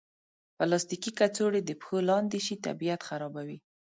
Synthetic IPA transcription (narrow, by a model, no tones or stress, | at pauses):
pəlɑst̪ikikat͡soɽed̪əpə̥xolɑnd̪eʃit̪a̰bijat̪xaɾɑbawi